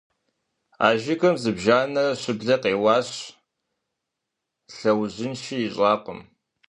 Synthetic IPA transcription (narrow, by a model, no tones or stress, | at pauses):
a̰ːʒɪkʰɐmzɨbʒaːnɐɕɪbɮɐqeːwɑːɕ | ɬɐwʑɪnʃiiɕʼɑːqəm